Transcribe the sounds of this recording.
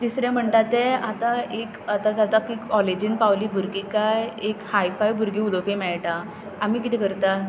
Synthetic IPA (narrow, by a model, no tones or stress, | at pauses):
t̪isɾɛ̃m̤əɳt̪at̪eat̪aekat̪ad͡zat̪ap̚kikːɔled͡ʑinpawliːbʱuɾɡikajekhaifajbʱuɾɡiːulopĩmɛɭʈa | amiːk̬it̪ɛkəɾt̪a